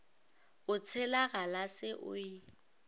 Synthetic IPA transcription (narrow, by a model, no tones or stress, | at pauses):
ʊt͡sʰɪlaɣalasɪʔʊ̰i